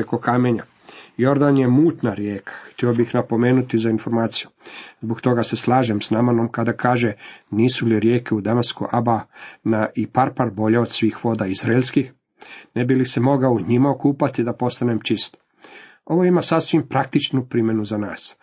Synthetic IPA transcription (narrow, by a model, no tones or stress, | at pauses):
ekokameɲa | jo̞ɾd̪anje̞muːt̪naɾjeːkʰḁxt̪io̞bixnapo̞me̞ːnut̪izainfo̞ɾmaːt̪sijuzbokt̪o̞ɡaseslˠaːʒemsnamano̞mkad̪akaːʒe̞niːsuliɾjeːkeud̪anaskṵʔabanaʔipaɾpaɾbo̞ʎeod̪sʋiːxʋo̞ːd̪aizɾaeʎʲskix | nebilisemo̞ɡaouɲimaokuːpat̪id̪apo̞st̪ane̞mt͡ʃist̪o̥ | oʋo̞imasasʋimpɾak̚t̪it͡ʃnupɾimje̞nuzanaːs